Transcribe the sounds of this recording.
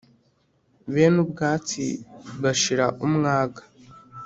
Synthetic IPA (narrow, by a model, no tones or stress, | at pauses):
βenubɡaːt͡sḭβaʃiɾaʔumŋaːɡḁ